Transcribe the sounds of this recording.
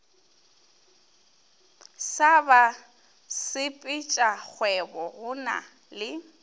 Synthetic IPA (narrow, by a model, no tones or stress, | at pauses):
saba | sɪpʼɪt͡ʃʼak͡xʰwɛbɔɣʊna̰ | lɪ